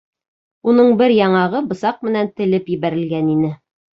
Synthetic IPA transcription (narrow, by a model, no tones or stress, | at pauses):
unɤɴbɘɾjɑɴɑʁɤbɤ̆sɑq̚mɘ̆nænt̪ɘ̆lɘpjɘ̆βæɾɘ̆lɡæninɘ